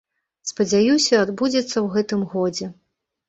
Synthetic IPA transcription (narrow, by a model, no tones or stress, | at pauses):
spɐd͡zʲajusʲɐad̪bud͡zʲɐt̪sːɐwɣɛt̪ɨmɣɔd͡zʲɛ